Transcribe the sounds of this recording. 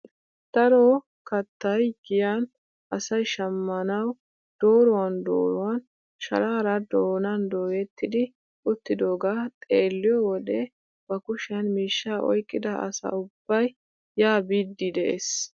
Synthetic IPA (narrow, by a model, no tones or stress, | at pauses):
t̪ɐɾoː | kɐt̪ːɐjɡɪjan | ʔɐsɐjʃɐmːɐnɐw | d̪̥o̞ːɾɔwɐnd̪o̰ːɾɔwɐn | ʃɐ̰ɾaːɾɐd̪oːnɐnd̪oːjɛt̪ːɪd̪ɪ | ʊt̪ːɪd̪o̞ːɡaːt̪ʼeːlːɪjɔwɔd̪ɛ | b̥ɐkʊʃɐnmiːʃːaːʔɔ̰jkʼːɪd̪ɐʔɐ̰sɐ̰ʊb̥ːɐjː | aːbiːd̪ːɪd̪ɛʔḛs